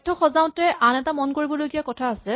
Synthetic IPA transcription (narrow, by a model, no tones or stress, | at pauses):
tʰːɔxɔzaʊ̃tɛʔanɛtamɔnkoɹibɔlojɡiakɔtʰaːsɛ